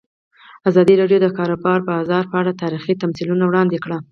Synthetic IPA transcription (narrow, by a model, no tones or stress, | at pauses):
azɑd̪iɾɑɖjod̪əkɑɾobɑɾpəɑzɑɾpəaɽat̪ɑɾixit̪amsilunawɽɑnd̪ekɽa